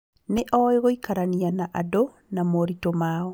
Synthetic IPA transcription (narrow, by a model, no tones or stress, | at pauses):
neʔɔeɣoikaɾanianaʔado | namoɾitomaɔ